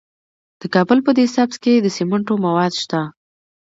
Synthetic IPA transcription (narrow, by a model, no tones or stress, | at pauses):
d̪̥əkɑbəlpəd̪esabzked̪əseməɳʈomawɑd̪ʃt̪a